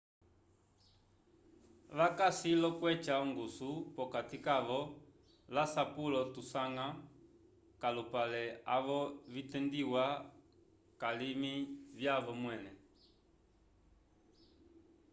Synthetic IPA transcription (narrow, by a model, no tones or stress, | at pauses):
βakasilɔkwɛt͡ʃauŋɡusupɔkatikaʋɔ | lasapulɔtusaŋa | kalupalɛaβɔvitɛndiwa | kalimivjaβɔmwɛnɛ